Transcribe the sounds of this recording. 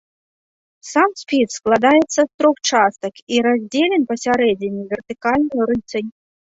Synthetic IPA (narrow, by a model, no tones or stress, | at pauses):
samsʲpʲisklˠad̪ajət̪sːəst̪ɾoxt͡ʂast̪əkiɾazʲdʲelʲɪnpəsʲaɾedʲɪnʲivʲɪrt̪ʲɨkalʲnəjɾɨt͡s̪ənʲ